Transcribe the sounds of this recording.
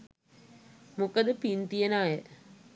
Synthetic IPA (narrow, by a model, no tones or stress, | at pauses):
mukəd̪əpint̪ijɐnaːjə